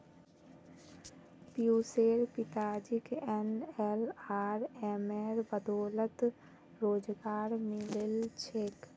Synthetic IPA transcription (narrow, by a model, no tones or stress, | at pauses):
pjuːseːɾpɪt̪aːd͡ʒɪkɛnɛlaːɾɛmɛːɾbəd̪ɔːlət̪ | ɾoːd͡ʒɡaːɾmɪlɪlt͡ʃʰeːk